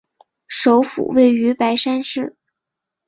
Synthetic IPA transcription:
ʂo˧˥ʊfṵ˨˩we˥˩ɪy˧˥pa˧˥ɪʂa˥nʂɻ̩˥˩

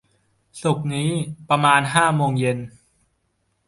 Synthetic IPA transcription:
su˨˩k̚niː˦˥pɾa˧maː˧nɦaː˥˩moː˧ŋje˧n

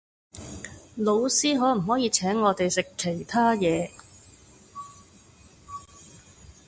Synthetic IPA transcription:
lo˨˧wsiː˥ɦɔː˨˥m̩˨˩ɦɔː˨˥jiː˨˧t͡sʰɛː˨˥ŋːɔː˨˧t̪e˨jsɪ˨kʰːe˨˩jt̪ʰaː˥jɛː˨˧

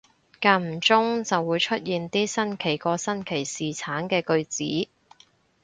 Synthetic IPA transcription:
kaː˧m̩˨˩t͡sʊ˥ŋt͡sɐ˨wːuː˨˧jt͡ʃʰɵ˥t̚jiː˨nt̪iː˥sɐ˥nkʰe˨˩jkɔː˧sɐ˥nkʰe˨˩jsiː˨˩t͡sʰaː˨˥nkɛː˧kɵ˧ɥt͡sḭː˨˥

